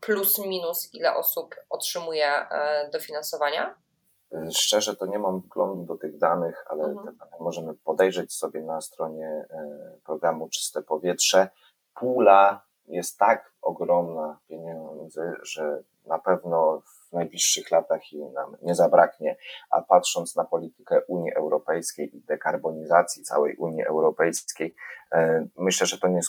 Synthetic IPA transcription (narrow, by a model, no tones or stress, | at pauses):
plusmʲinusilɛʔɔsupɔtʂɘmujɛd̪ɔfʲinansɔvaɲa | ʂt͡ʂɛʐɛt̪ɔɲɛmamvɡlɔnd̪ud̪ɔt̪ɘɣd̪anɘxa̰lɛt̪ɛanɛmɔʐɛmɘpɔd̪ɛjʐɛt͡ɕsɔbʲjɛnast̪ɾɔɲɛ | pɾɔɡɾamut͡ʂɘ̥st̪ɛpɔvʲjɛtʂɛ | pʰula | jɛst̪ːak | ɔɡɾɔmnapʲjeɲɛd̪zɘʐɛ | napɛvnɔ | vnajblʲiʂːɘxlat̪axina̰mɲɛzabɾakɲɛʔa̰patʂɔnt̪snapɔlʲit̪ɘ̥kɛʔuɲiʔɛwɾɔpɛjskʲejid̪ɛkaɾbɔɲizat̪sʲjit̪sa̰wɛ̰jʔuɲiʔɛ̰wɾɔpɛjkʲej | mɘɕlɛʐɛt̪ɔɲɛ